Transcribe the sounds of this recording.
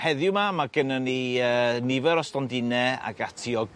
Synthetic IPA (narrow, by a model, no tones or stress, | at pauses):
hɛðjʊmamaɡənəniəːnɪvɛɾɔstɔndɪnɛa̰ɡatʰiɔɡ